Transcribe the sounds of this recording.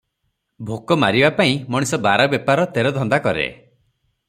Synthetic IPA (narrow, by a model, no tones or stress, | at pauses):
bʱokɔmaɾibapaĩmɔɽ̃isɔbaɾɔbjɔpaɾɔt̪eɾɔd̪ʱɔnd̪akɔɾḛ